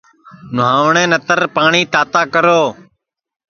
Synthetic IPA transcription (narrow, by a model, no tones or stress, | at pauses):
nʊɦaːʋɳẽːnət̪əɾpaːɳiːt̪aːt̪aːkəɾoː